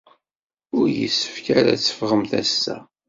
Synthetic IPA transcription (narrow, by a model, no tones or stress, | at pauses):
ʊɾjə̰sːə̥fkaɾæ̰t͡sːə̥fʁəmθæsːæ